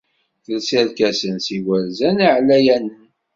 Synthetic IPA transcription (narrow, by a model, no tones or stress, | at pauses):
θəlsælkæsənsiwælzæniʕlæjænən